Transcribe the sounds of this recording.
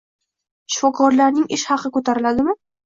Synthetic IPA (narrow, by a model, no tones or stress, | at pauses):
ʃɪfɒkʰɒɾlaɾnɪŋʔɪʃhɑqɨkɵt̪ʰaɾɪlad̪ɪmɪ